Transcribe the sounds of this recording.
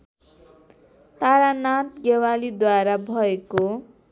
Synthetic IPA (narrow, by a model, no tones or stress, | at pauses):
t̪aɾanat̪ɡewalid̪waɾabʱʌeko